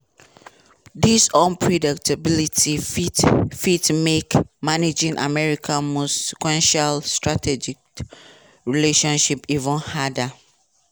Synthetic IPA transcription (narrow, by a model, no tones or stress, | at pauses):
disɔ̃npʰɹɔdik̚tʰabilitʰi | fitmekmaned͡ʒĩŋʔa̰mɛɹikʰãnmosi̥kwɛ̃nʃalstɹatʰɛd͡ʒik̚ | ɹileʃɔ̃nʃipivə̃nhada